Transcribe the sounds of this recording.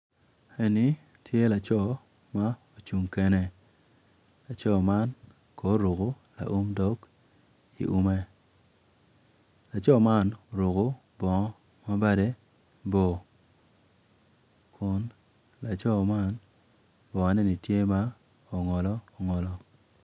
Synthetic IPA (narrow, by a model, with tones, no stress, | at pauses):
e˦ni˨˦ | tʰje˦la˨t͡ʃɔ˦˨ | ma˦o˨t͡ʃu˨ŋke˨ne˨ | la˨t͡ʃɔ˦ma˦n | kɔ˨˦ɾo˨ko˨˦ | la̰˨ʔu˦mdɔ˦k | ḭ˨ʔu˦mɛ˦ | la˨t͡ʃɔ˦ma˦no˨ɾo˨ko˦ | bɔ˨˦ | ma˦ba˦de˦ | bɔ˨ | kʰʊ˨˦n | la˨t͡ʃɔ˦ma˦n | bɔ˨a˨˦nɛ˦˨ni˨tje˦ma˦ | o˨ŋɔ˨lɔ˦ɔ˨ŋɔ˨lɔ˦